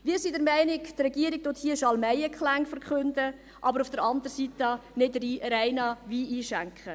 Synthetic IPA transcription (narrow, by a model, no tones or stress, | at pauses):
ʋiːɾsidəɾmæɪnɪktrɛɡiəɾɪk̚tothiːəʃɑlmæjəkχlæŋfəɾkχɵndə | ʔɑbəɾufd̥əɾɑndəɾsitɑnɪdɾiɾæɪnɑviːiːʃæŋkχə